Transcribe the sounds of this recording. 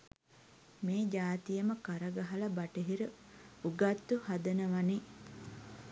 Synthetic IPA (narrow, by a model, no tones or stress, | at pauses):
meːd͡ʒaːt̪ijəməkaɾəɡaɦɐlɐbaʈəɦiɾə | uɡat̪ːuhad̪ənəʋane